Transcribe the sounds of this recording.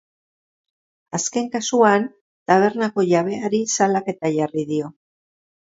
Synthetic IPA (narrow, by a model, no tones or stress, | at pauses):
aske̞ŋkasuan | t̪aβ̞e̞ɾnako̞ʝaβ̞e̞aɾisalake̞t̪aʝariðio̞